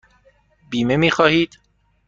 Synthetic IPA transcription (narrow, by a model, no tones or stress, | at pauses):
biːme̞miːxɒːhiːd̪̥